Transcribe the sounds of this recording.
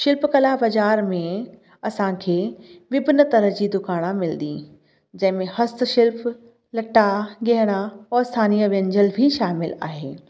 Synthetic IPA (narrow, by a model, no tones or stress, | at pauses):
ʃɪlpkɐlabɐd͡ʑaːɾmẽ | ɐsãkʰeːʋɪbʱnət̪ɐɾə̆d͡ʑiːd̪ʊkaːɽ̃amɪld̪i | d͡ʑɐ̃ɦɪ̃mẽhɐst̪̆ʃɪlp | lɐʈaɡeɦɪɽ̃aɔːst̪ʰaːniːəʋə̃nd͡ʑəlbʱiʃaːmɪla̰ːɦeː